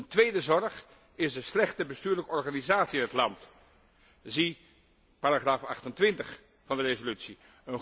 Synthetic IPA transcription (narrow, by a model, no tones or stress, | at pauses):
əntʋejdəzɔrχ | ɪsdəslɛχtəbəstyːɹləkəɔɹχaːnizaːtsiɪnɦətlɑnt | zi | paːɾaχraːfɑ̰χtəntʋɪntəχ | fɑndərezolytsi | ən